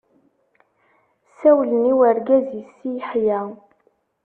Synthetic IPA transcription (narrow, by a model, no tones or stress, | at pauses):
sæwləniwəɾɡæzisijħjæ